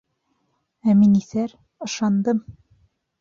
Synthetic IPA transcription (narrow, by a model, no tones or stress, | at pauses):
æminiθæɾ | ɤ̆ʃɑnd̪ɤm